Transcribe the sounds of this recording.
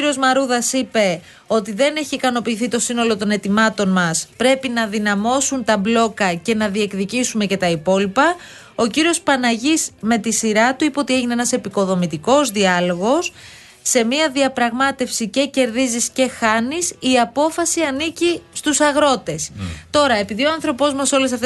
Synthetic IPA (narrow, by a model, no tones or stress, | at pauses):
iɾio̞zmɐɾuðɐsipe̞ | o̞t̪iðe̞ne̞çiːkɐno̞piːθit̪o̞sino̞lo̞t̪o̞ne̞t̪imɐt̪o̞nmɐspɾe̞pinɐðinɐmo̞sunt̪ɐblo̞kɐce̞nɐðie̞kðicisume̞ce̞t̪ɐipo̞lipɐ | o̞ciɾio̞spɐnɐʝisme̞t̪isiɾɐt̪uipeot̪ie̞ʝineenɐse̞piko̞ðo̞mit̪iko̞zðiɐlo̞ɣo̞sː | e̞miɐðiɐpɾɐɣmɐt̪e̞fsice̞ce̞ɾðizisce̞xɐnisiɐpo̞fɐsiɐnicist̪usɐɣɾo̞t̪e̞st̪o̞ɾɐe̞piðio̞ɐnθɾo̞po̞zmɐso̞lesɐft̪e